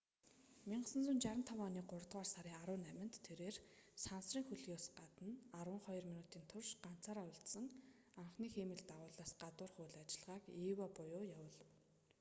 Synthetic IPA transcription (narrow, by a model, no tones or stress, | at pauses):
miɴɢəsə̆nt͡sunt͡ɕaɾə̆nt̪ʰɔwɔːniːɢʊrt̪ʁwaːrsaɾiːŋaɾʊːnæmʲɪ̆n̥t̪ʰːeɾeːrsansriːŋxuɮɣʲʊːsɢat̪ə̆narwə̆ɴχɔjɞ̆rminuːt̪iːnt̪ʰʊrʃɢan̥t͡sʰaːɾaːʊɬt̪sə̆ŋ | aɴχniːxemɘ̆ɮt̪aʁʊːɮaːsɢat̪ʊːrχʊːɮat͡ɕɪ̆ɮʁaːkiːwaːpʊjʊːjawə̆ːɮə̆w